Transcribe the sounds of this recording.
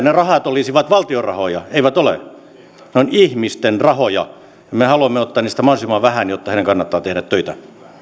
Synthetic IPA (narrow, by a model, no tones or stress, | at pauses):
nerɑhɑt̪olisiʋɑt̪ʋɑlt̪iorɑhojɑeiʋæt̪olḛ | neonihmist̪enrɑhojɑ | jɑmehɑluɑmːeot̪ːɑːniːst̪æmɑˑsimɑːʋæhænjot̪ːɑheineŋkɑnːɑt̪ːɑːt̪ehɾæt̪tøit̪æ